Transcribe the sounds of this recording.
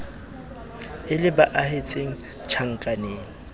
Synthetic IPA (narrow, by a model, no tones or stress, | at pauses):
ɪlɪbaʔahet͡sʼeŋ̩ | t͡ʃʰaŋ̩kʼaneːŋ̩